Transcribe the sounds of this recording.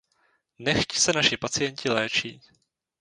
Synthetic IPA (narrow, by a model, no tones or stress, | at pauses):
nɛxcsɛnaʃɪpat͡sɪjɛɲcɪlɛːt͡ʃiː